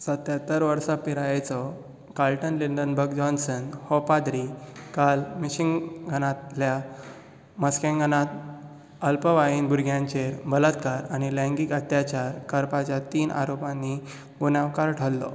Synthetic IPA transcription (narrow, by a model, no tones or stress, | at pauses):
sət̪jat̪əɾʋəɾsapiɾajet͡sɔ | kalʈənliɳɖənbəkd͡ʑɔnsənhɔpad̪ɾikalmiɕiŋɡɡʱənat̪lja | məskẽŋɡʱənat̪̚ | əlpəʋaiːnbʱuɾɡʱjãɲt͡ɕeɾbələt̪kaɾañilə̃ŋɡikət̪jat͡ɕaɾkəɾpat͡ɕjat̪iːnʔa̰ɾopãnːi | bunaʋkaɾʈʰəlːɔ̰